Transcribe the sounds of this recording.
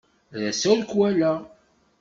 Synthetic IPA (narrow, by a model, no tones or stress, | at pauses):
ðæsæɾkwælæ